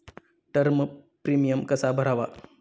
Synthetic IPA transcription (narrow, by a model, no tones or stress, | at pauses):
ʈəɾmpɾiːmijəmkɐsabʱəɾaːʋa̰